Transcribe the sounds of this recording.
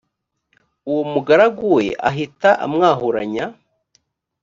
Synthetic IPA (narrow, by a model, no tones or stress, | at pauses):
uwomuɡaɾaɡuwe̞̰ʔa̰ɦitaʔa̰mŋaːhuɾaɲa